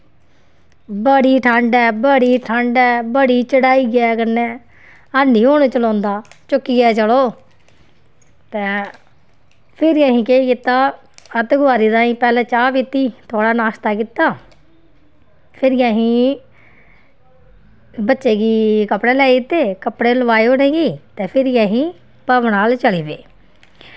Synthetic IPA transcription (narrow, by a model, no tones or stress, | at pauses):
bəɽiːʈʰəɳɖɛːbəɽiːʈʰəɳɖɛːbəɽiːt͡ʃəɽaːiːɡɛːkəɾnɛ̃ː | aːniːoːɽ̃ẽːt͡ʃəlɔ̃ːnd̪aːt͡ʃʊkːiːɡɛːt͡ʃəloː | t̪ɛ̃ː | pʰɪɾjãːɦĩːkeːikɪt̪ːaː | ət̪ɡʊaːɾiːd̪aːĩːpɛːlɛ̃ːt͡ʃaːʋit̪iːt̪ʰʊaːɽaːnaːʃt̪aːkit̪aː | pʰɪɾjãːɦĩː | bətːʃeːɡiːkəpɽeːlɛːɪt̪ːeːkəpɽeːləʋaːeoːnɛ̃ːɡiːt̪ẽːpʰɪɾjaːɦĩː | pəʋnaːlt͡ʃəliːbḛː